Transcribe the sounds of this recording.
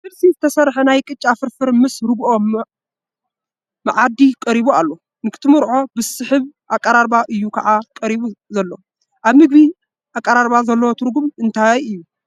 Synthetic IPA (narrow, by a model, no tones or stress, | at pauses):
sɨlsizɨt̪ʰɐsɐɾħenajkʼɨt͡ʃʼːafɨɾfɨɾmɨsɾɨɡʔo̞m | aʕad̪ikʼɐɾiβualːo̞ | nɨkʰɨ̥t̪ʰɨmɨɾʕo̞bɨsɨħɨβʔakʼɐɾaɾbaʔɨjːukʰɐʕakʼɐɾiβuzɐlːo | ʔaβmɨɡ̚bi | ʔakʼːɐɾaɾbazɐlːɐwot̪ʰɨɾɡumɨnt̪ʰajɨjːu